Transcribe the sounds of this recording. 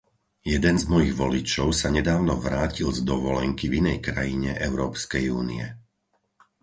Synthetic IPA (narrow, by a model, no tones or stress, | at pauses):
jɛd̪ɛnzmɔjiɣʋɔlit͡ʃɔʊsaɲɛd̪aːʊnɔʋɾaːcilzd̪ɔʋɔlɛŋkivinɛjkɾajiɲɛʔɛʊɾɔːpskɛjṵːnḭɛ